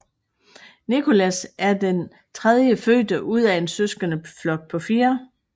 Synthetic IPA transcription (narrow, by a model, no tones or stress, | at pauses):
nikʰo̝læsʔæɐd̥en | t͡sʰʁɛð̞ˠjəføːd̥əʔuð̞̰ˠæe̝nsøsɡ̥ɐnəflɒ̽ɡ̥̚pʰɒ̽fiːɐ